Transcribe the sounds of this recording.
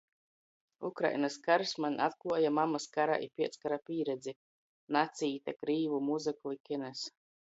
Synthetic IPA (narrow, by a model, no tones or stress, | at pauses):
ṵkɾa̰jnaskaɾsmanʲat̪̚kluɔjamamaskaɾa̰ʔḭpʲiɛt̪skaɾapʲiːɾɛd̪zi | nat̪siːt̪akɾiːvumuzɨklˠikʲɛnɛs